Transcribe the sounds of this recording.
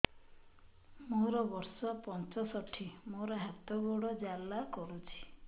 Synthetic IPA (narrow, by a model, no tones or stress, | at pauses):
moɾɔbɔɾsɔpɔnt͡ʃɔsɔʈʰimoɾɔɦat̪ɔɡɔɽɔd͡ʒalːakɔɾut͡ʃʰi̥